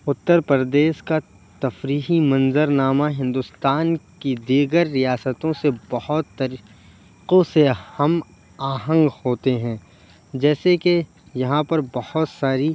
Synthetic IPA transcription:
ʊt̪ːəɾpəɾd̪eːʃka | t̪ɐfɾiːɦimɐ̃nzəɾnaːmaɦɪ̃nd̪ʊst̪aːnkid̪iːɡəɾːijaːsət̪õsebɐhʊt̪ːɐɾ | qõsehɐm | aːɦə̃ŋɡhoːt̪eɦɛ̃ː | d͡ʒɛːseke | jɐɦãpɐɾbɐhʊt̪saːɾi

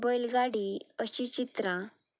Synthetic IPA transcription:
bɔjlɡaɽiəɕit͡ɕit̪ɾã

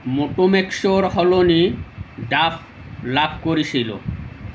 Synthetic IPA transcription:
moʈomekʃoɾɦɔloniɖaf | labʱkoɾit͡ɕʰilo̰

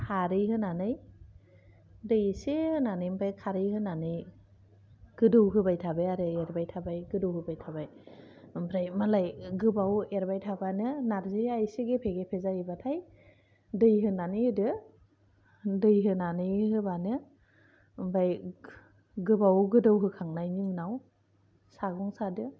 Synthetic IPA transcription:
kʰaɾɯɦɯnanɯj | dɯjsehɯnanɯjmbajkʰaɾɯhɯnanɯj | ɡ̥ɯdɯwɦɯbajtʰabajaɾɯeɾbajtʰabajɡɯdɯwhɯbajtʰabaj | mbɾajmalajɡɯbaweɾbajtʰabanɯnaɾzɯajsiɡepʰeɡepʰezaɾibatʰaj | dɯjɦɯnanɯjɯdɯ | dɯjɦɯnanɯjɦɯbanɯ | mbaj | ɡɯbawɡɯdɯwɦɯkʰaŋnajnɯɯnaw | saɡɔŋsadɯ

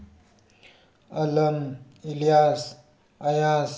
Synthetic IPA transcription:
ɐləm | ilijas | ɐjas

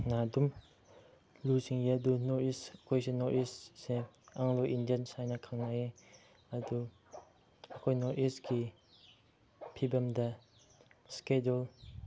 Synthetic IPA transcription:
nadum | lusiŋjadunɔɾisəkʰɔjsenɔɾʔisseaŋloʔindijənsajnakʰaŋnaje | ɐd̪u | ɐkʰɔjnɔɾʔisɡi | pʰibamda | skedul

